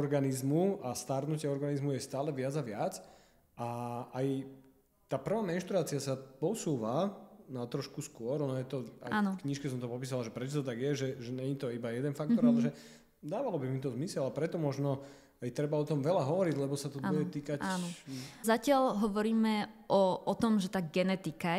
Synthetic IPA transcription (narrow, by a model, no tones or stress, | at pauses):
ɔɾɡanizmuast̪aɾnucɪɛɔɾɡanizmujɛst̪aːlɛʋɪad͡zaʋɪat͡s | ʔaaj | t̪aːpr̩ʋaːmɛnʃt̪ɾuaːt͡siasapɔsuːʋanat̪ɾɔʃkuskʊɔɾɔnɔjɛt̪ɔa̰anfkɲiʃkɛsɔmt̪ɔpɔpiːs̬alaʒɛpɾɛt͡ʃɔt̪ɔt̪aɡjɛʒɛʒɛɲɛɲit̪ɔibajɛd̪ɛnfakt̪ɔɾalɛʒɛ | d̪aːʋalɔbimit̪ɔzmisɛlapɾɛt̪ɔmɔʒnɔ | ajt̪ɾɛbaɔt̪ɔmʋɛlaɦɔʋɔɾiɟlɛbɔsat̪ɔbujɛt̪iːkacaːnɔzacɪalɦɔʋɔɾiːmɛʔɔɔt̪ɔmʒɛt̪aːɡɛnɛt̪ika